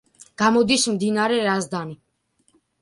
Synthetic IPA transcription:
ɡ̥amɔd̪ismd̪inaɾɛɾazd̪ani

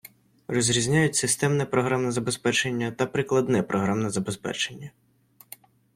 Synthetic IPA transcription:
rɔzʲɾʲizʲnʲajʊtʲsɪst̪ɛmnɛpɾɔɦɾamnɛzɐbespɛt͡ʃenʲːɐt̪ɐpɾɪklˠɐd̪nɛpɾʔɔɦɾamnɛzɐbespɛ̰t͡ʃenʲːɐ

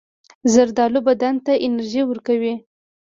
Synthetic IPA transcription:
zaɾd̪ɑlubad̪ant̪aʔɪnaɾʒiwəɾkawi

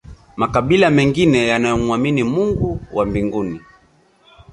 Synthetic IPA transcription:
makaɓilamɛŋɡinɛjanajɔmuaminimuŋɡuwʔambiŋɡuni

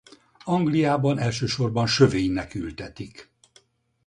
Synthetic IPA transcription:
ɒŋɡlijaːbɒnɛlʃøːʃo̞rbɒnʃøveːɲnɛkylt̪ɛt̪ik

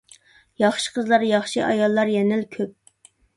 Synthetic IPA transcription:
jɑχʃə̥qʰəzlˠɑɾjɑχʃiʔɑjɑlˠːɑɾjɛnɪlkʲʰøp̚

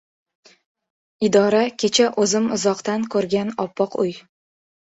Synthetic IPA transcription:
ɪd̪ɒɾakʲʰe̞t͡ʃʰaʔɵzɪmʊzɒqt̪ankʰɵɾɡʲanɒpːɒqʊj

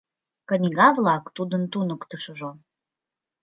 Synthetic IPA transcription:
kə̆nʲɣɑvlɑkt̪ud̪ənt̪unəkt̪əʃəʒo

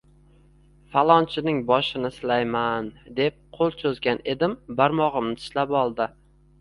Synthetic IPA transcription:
falˠɒnt͡ʃʰɪnɪŋbɒʃɪnɪsɪlajmand̪e̞p̚qʰolˠt͡ʃʰozɡʲane̞d̪ɪmbaɾmɒʁɨmnɪtʰɪ̥ʃlapɒlˠd̪ɪ

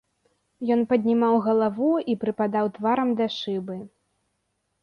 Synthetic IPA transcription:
jɔnpɐd̪ʲnʲimawɣɐlˠavuipɾɨpad̪awt̪vaɾɐmd̪ɐʂɨbɨ

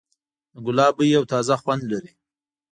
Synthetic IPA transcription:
ɡʊlɑbəjawt̪ɑzaxwand̪laɾi

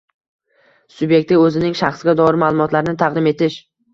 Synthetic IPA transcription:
sʊbje̞k̚ʲt̪ɪɵzɪnɪŋʃaχsɡʲad̪ɒɪɾɪmalˠʊmɒt̪laɾɪnɪt̪ʰaʁd̪ɪme̞t̪ʰɪʃ

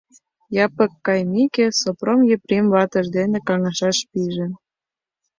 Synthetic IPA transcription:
jɑpɤ̆kːɑjmikĕsopromjøpɾʲemvɑt̪ə̆ʒd̪enĕkɑŋɑʃɑʃpiʒĕ

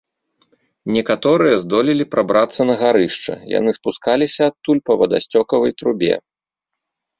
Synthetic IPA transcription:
nʲɛkat̪ɔɾɨjɐzd̪ɔlʲilʲipɾabɾat̪sːɐnɐɣaɾɨʂt͡ʂɐ̰ja̰nɨspuskalʲisʲɐːt̪ːulʲpɐvɐd̪a̰sʲt͡sʲɔkɐvɐjt̪ɾubʲɛ̰

